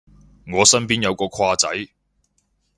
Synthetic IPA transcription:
ŋɔː˨˧sɐ˥npiː˥njɐ˨˧wkɔː˧kʰaː˧t͡sɐ̰˨˥j

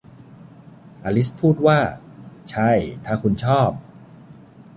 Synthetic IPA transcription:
ʔaː˧li˦˥spʰuː˥˩t̪̚waː˥˩t͡ɕʰa˥˩jt̪ʰaː˥˩kʰu˧nt͡ɕʰɔː˥˩p̚

